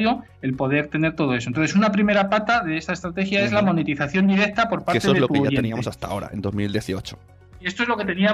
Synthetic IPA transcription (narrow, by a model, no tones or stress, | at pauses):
jo̞ | e̞lpo̞ðe̞ɾt̪e̞ne̞ɾt̪o̞ð̞o̞esononθesunapɾime̞ɾapat̪aðe̞est̪aest̪ɾat̪e̞xjae̞zlamo̞ne̞t̪iθaθjo̞nd̪iɾe̞k̚t̪apo̞ɾpaɾeseoeðelot̪ajeeniamosast̪a̰o̞ɾa̰end̪ozmild̪jeθiot͡ʃo̥ | iest̪oezlo̞ket̪e̞nia